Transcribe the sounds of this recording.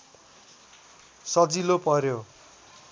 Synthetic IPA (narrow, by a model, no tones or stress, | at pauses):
sʌd͡zilopʌrjo